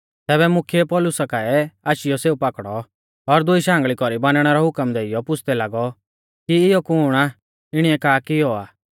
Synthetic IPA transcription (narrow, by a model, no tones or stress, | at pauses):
t̪ɛːβɛmʊkʰiepɔlʊsakaɛaːʃɪjɔseːupakɽ̃ɔ | ɔɾd̪ʊiʃãːŋɡɭikɔɾibanɽ̃ɛɾɔɦʊkəmd̪eːɪjɔpʊt͡sʰd̪ɛlaɡɔ | kiɪjɔkʊɽ̃a | ɪɽ̃iɛkaːkiɔaː